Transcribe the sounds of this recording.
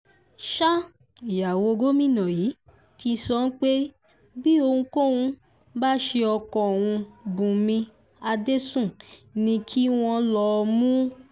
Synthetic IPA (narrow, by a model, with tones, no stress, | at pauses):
ʃa˦ | i˨ja˨wo˧ɡo˦mĩ˦˨nã˨ji˨˦ | ti˧sɔ˧˦n̩˦k͡pe˦ | bi˦o˧hũ˧ko˦wũ˧ | ba˦ʃe˧ɔ˧kɔ̃˨o˨w̃ũ˧bũ˨mĩ˧ | a˧de˦sũ˦˨nĩ˧kʰi˦w̃ɔ̃˧lɔ˧˦˧mũ˦